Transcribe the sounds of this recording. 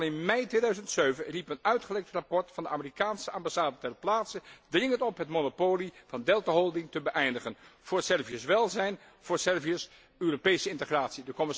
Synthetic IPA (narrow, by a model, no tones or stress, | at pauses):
lˠɪnmɛjtʋeːdœɥzəntsøɥvənripənœɥtχəlɛk̚trapɔɹtfɑndəʔaːmərikaːnsəambasaːdətɛrplaːtsədrɪŋəntɔpɦətmonopoːliv̥ɑndɛlˠtaɦɔlˠdɪŋtəbəʔɛjndəχənv̥ʊːɹsɛrviəsʋɛlˠzɛjn | v̥ʊːɹsɛrviəs | øːropejsəɪntəχraːtsidəkɔmɪ